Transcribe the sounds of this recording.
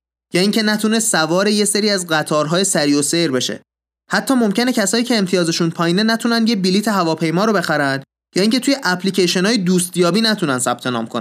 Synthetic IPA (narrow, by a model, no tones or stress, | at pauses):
jɒːiːŋcʲʰe̞næt̪ʰune̞sævɒːɾe̞jese̞ɾiːæzɢæt̪ʰɒːɾɦɒːje̞sæɾiːo̞se̞jɾbe̞ʃḛ | hæt̪ʰːɒːmo̞mcʰe̞ne̞cʰæsɒːiːcʰeːmt̪ʰijɒːze̞ʃunpʰɒːjiːnenæt̪ʰunænd̪jebiliːt̪ʰeɦævɒːpʰe̞jmɒːɾobe̞xæɾænd̪ | jɒːiːŋcʰe̞t̪ʰuːjeʔæpʰliːcʰeʃonɒːjed̪uːst̪jɒːbiːnæt̪ʰunænd̪sæb̥̚t̪ʰe̞nɒ̰ːmkʰon